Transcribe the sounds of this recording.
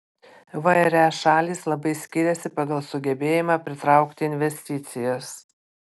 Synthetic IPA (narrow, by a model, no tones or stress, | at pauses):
ʋɐɛɾʲæʃɑːlʲiːslˠɐbɐɪsʲkʲiːɾʲɛsʲɪpɐɡɐlˠsʊɡʲɛbʲeːjɪmɑːpʲɾʲɪt̪ɾɑˑʊkt̪ʲɪɪnʲʋʲɛsʲt̪ʲɪt̪sʲɪjɛs